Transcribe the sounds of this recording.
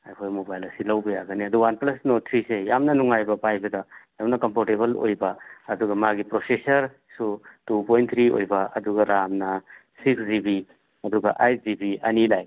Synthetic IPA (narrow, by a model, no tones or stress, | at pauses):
ajkʰojmobajlɐsilɐwbɐjaɡɐniɐduwanplɐsnot̪ʰɾisejamnɐnuŋajbɐpajbɐdɐjamnɐkɐmpoɾteβɐlo̰jbɐɐduɡɐmaɡipɾosesɐɾ | sutupojnt̪ʰɾio̰jbɐɐduɡɐɾamnɐsikszibi | ɐduɡɐ̰ʔajt̚zibiɐnilaj